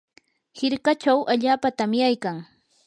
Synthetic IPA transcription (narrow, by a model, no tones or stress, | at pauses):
hɪɾkat͡ʃawʔaʎaːpat̪amjajkaŋ